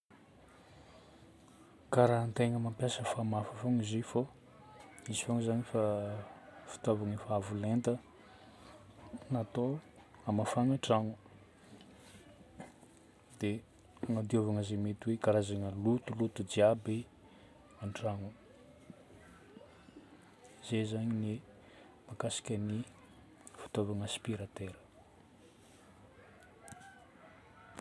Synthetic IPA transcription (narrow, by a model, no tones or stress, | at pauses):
kaɾant̪eŋəmampjasəfamafəfoŋizefo | izifoŋzanifa | fi̥t̪ovaŋəfaavulent̪ə | nat̪oamafaŋaʈ͡ʂaŋu | d̪̥e | aŋad̪iovaŋəzemet̪iweɡaɾazaŋəlut̪ulut̪ud͡ʒiabi | aɳɖ͡ʐaŋu | z̥ezaɲini | makasi̥kʲəni | fi̥t̪ovaŋaspiɾat̪eɾə̥